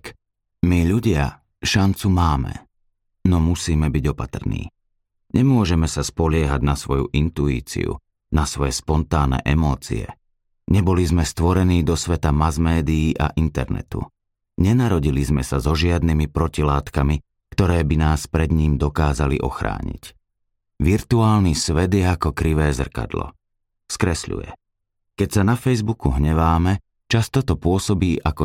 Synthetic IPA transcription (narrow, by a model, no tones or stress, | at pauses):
k | miʎuɟɪa | ʃant͡sumaːmɛ̰ | nɔmusiːmɛbiɟɔpat̪r̩nḭː | ɲɛmʊɔʒɛmɛsaspɔʎɪɛɦaɟnasʋɔjṵʔint̪uḭːt͡sḭṵ | nasʋɔjɛspɔnt̪aːnɛ̰ʔɛmɔːt͡sḭɛ̰ | ɲɛbɔlizmɛst̪ʋɔɾɛniːd̪ɔsʋɛt̪amazmɛːd̪iiːʔa̰ʔint̪ɛ̰ɾnɛ̰t̪ṵ | ɲɛnaɾɔɟilizmɛsazɔʒɪad̪nimipɾɔcilaːt̪kami | kt̪ɔɾɛːbinaːspɾɛd̪ɲiːmd̪ɔkaːzalḭʔɔxɾa̰ːɲḭc | ʋiɾt̪uaːlnisʋɛd̪jɛakɔkɾiʋɛːzr̩ka̰d̪lɔ̰ | skɾɛsʎṵjɛ̰ | kɛcsanafɛjzbukuɦɲɛʋaːmɛ | t͡ʃast̪ɔt̪ɔpʊɔsɔbiːʔakɔ